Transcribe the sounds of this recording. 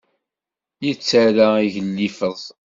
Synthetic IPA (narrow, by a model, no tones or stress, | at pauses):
jət͡sːaɾaiʝəlːifəðˤ